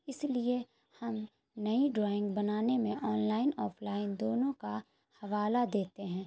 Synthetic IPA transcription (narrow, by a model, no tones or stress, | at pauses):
ɪslie | hɐm | nɐiɖɾɔːɪ̃ŋɡbɐnaːnemẽʔɔːnlaːɪnɔːpʰlaːɪnd̪oːnõka | hɐʋaːlad̪eːt̪eɦɛ̃ː